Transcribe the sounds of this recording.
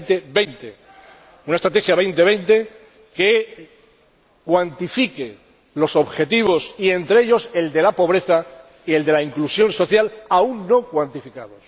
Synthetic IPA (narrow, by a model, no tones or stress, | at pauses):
t̪eβejnt̪e | unaest̪ɾat̪e̞xjaβe̞jnt̪e̞β̞e̞jnt̪e̞ | ke̞ | kwant̪ifike | lo̞so̞βxe̞t̪iβ̞o̞sie̞nt̪ɾee̞ʎo̞se̞ld̪e̞lapo̞β̞ɾe̞θa | ie̞ld̪e̞laiŋklusjo̞nso̞θjalauŋːo̞kwant̪ifikaðo̞s